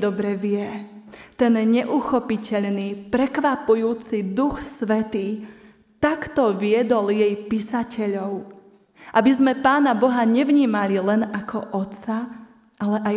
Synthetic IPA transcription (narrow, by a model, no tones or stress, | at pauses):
d̪ɔbɾɛʋɪɛ | t̪ɛnɲɛʔuxɔpicɛʎniːpɾɛkʋapujuːt͡sid̪uxsʋɛt̪iː | t̪akt̪ɔʋɪɛd̪ɔljɛjpiːsacɛʎɔʊ | ʔabizmɛpaːnabɔɦaɲɛʋɲiːmalilɛnakʰɔʔɔt̪t͡sa | ʔalɛʔa